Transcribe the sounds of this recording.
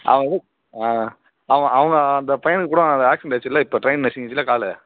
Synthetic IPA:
ʔɐ̰ʋɐɐðɯ | aː | ɐʋɐ̃ɐʋɐŋɡɐɐnd̪ɐpɐjɐnɯkːɯkːuːɽɐɐnd̪ɐaːksɐɳʈɐːt͡ʃːɪlːaːɪpːoːʈɾɐɪnnɐsɪŋɡɐt͡ʃːɪlːaːkaːlɛ

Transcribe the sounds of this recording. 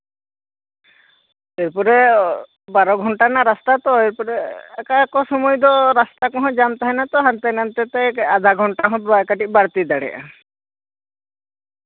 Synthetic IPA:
eɾpuɾɛ | baɾɔɡʱɔɳʈanaɾast̪at̪ɔeɾpuɾɛːkakɔsɔmɔjd̪ɔɾast̪akɔɦɔ̃d͡ʒamt̪aɦɛnat̪ɔɦant̪enant̪ɛt̪ɛad̪ʱaɡʱɔɳʈaɔɦɔ̃kaʈiˀbaɾt̪id̪aɽɛ̰ʔa̰

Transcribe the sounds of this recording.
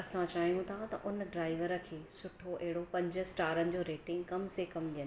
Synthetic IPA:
ɐsãt͡ɕaːɦijũt̪ʰat̪ɐʔʊnɖɾaːɪʋəɾə̆kʰeːsʊʈʰoʔɐɦɪɽopɐ̃ɲd͡ʑʊ̆sʈaːɾənɪ̆d͡ʑoːɾeːʈɪ̃ŋɡkɐmsekɐmɗijənɪ

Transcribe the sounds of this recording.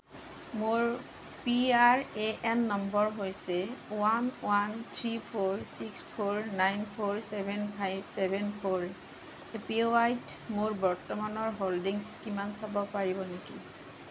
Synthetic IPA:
moɹ | piaɹeʔɛnːɔmbɔɹɦojsɛwanwant̪ʰɹipʰoɹsikspʰoɹnajnpʰoɹsɛbʱɛnpʰajbsɛbʱɛnpʰoɹ | epioajt | moɹbɔɹtɔmanɔɹɦoldiŋskimansabɔpaɹibɔneki

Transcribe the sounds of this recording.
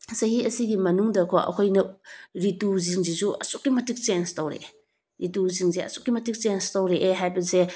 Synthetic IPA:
sɐɦiɐsiɡimɐnuŋdɐkʰoɐ̰kʰojnɐɾituziŋzizuɐ̰suk̚ːimɐtik̚t͡ʃenstowɾḛ | ɾituziŋzeɐ̰sukːimɐtik̚t͡ʃenstowɾeʔeɦajbɐse

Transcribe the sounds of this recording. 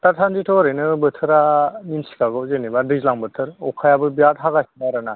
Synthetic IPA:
t̪atʰanzitʰɔɾɯjnɯbɯt̪ʰɯɾaninsi̥kaɡɯzɯnibadɯzlaŋbɯt̪ʰɯɾɔkʰajabɯbiat̪ɦaɡasinaɾana

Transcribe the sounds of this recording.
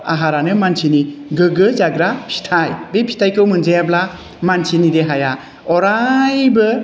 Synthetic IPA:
a̰ɦaɾanɯmansʰiniɡɯɡɯzaɡɾapʰi̥tʰajbepʰi̥tʰajkʰɯwmɯnzajabla | mansʰinideɦaja | ɔɾajbɯ

